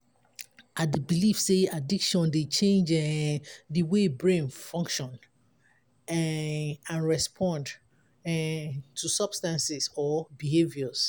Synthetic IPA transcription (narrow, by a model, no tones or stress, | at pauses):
adibilifseadikʃɔ̃ndet͡ʃẽnd͡ʒɛdiwebɹĩnfɔ̃ŋkʃɔ̃n | ãnɹɛspʰɔ̃nd | ɛtʰusʌb̥stãnsisɔbihevjɔz